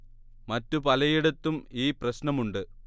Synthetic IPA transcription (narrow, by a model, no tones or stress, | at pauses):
mɐtːupɐlɐjiɽɐt̪ːumiːprɐɕnɐmuɳɖɨ